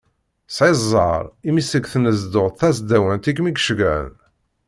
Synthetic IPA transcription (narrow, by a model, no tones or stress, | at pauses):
sʕezˤːə̰ɾˤimisəɡθnəzd̪oʁθæsd̪æwənt̪ikmiɡʃəɡæ̰ə̰n